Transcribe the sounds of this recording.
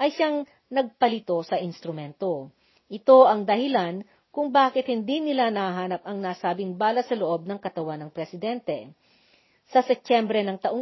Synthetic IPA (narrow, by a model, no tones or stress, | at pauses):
ʔɐjʃaŋ | nɐɡ̚pɐlɪt̪o̞sɐʔɪnst̪ɾʊmɛnt̪o̞ | ʔɪt̪o̞ʔɐŋd̪ɐhɪlan | kʊŋbaːkɪt̪̚hɪnd̪inɪlanɐhɐɦaːnɐp̚ʔɐŋnaːsaːbɪŋbaːlɐsɐloʔo̞b̚nɐŋkɐt̪ɐwanɐŋpɾɛsɪd̪ɛnt̪ɛ | sɐsɛp̚t̪ɛmbɾɛnɐŋt̪ɐʔoŋ